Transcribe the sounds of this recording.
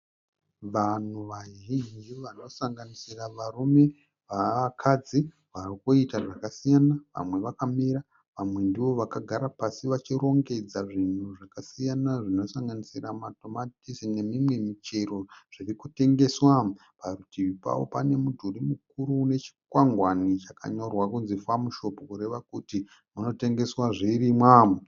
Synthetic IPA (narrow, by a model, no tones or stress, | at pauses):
ʋan̤uʋaɦind͡ʒiʋano̞saŋɡanisiraʋarume̞ | ʋakʰad͡zi | ʋarikuitaʐakasijanaʋa̰mwe̞ʋakamiɾa | ʋamwe̞ndiʋo̞ʋakaɡʱaɾapasiʋat͡ʃiro̞ŋɡe̞d͡zaʐin̤uʐakasijanaʐino̞saŋɡanisiramato̞matisine̞mimwe̞mit͡ʃe̞ɾo̞ʐ̥irikute̞ŋɡe̞swam | parutiʋipa̰wo̞̰pane̞mudʱurimuk̚uɾune̞t͡ʃi̥kwaŋɡwanit͡ʃaka̰ɲo̞rwakunzifamuʃo̞pokuɾe̞ʋakuti | muno̞te̞ŋɡe̞swaʐiirimwam